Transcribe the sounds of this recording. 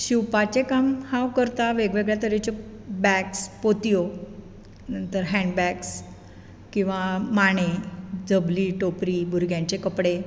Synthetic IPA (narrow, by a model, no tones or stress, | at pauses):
ɕiwpat͡ɕekamhawkəɾt̪aʋeɡʋeɡɭjat̪əɾet͡ɕe | bɛkspot̪ijo | nənt̪əɾɦɛ̃ɳɖbɛks | kĩw̃ʋamaɳ̃ed͡zəbliːʈopɾibʱuɾɡjãɲt͡ɕekəpɽe